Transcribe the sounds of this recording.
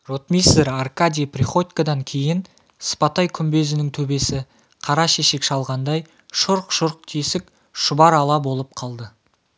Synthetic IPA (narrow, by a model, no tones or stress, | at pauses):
rot̪mʲiseɾarkad̪ʲijprʲiχo̞t̪ʲkad̪ɑŋkʲʰe̞jɪn | spɑt̪ɑjkʲʰʏmbe̞zɪnɪŋt̪ʰɵbe̞sɪ | qʰɑɾɑʃeʃe̞kʃɑlˠʁɑnd̪ɑj | ʃʊɾqʃʊɾq̚t̪ʰesɪk | ʃʊbɑɾɑlˠɑbo̞lˠəp̚qʰɑlˠd̪ə